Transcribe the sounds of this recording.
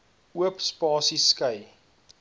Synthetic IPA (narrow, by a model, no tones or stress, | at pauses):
uəpspɑːsiskɐj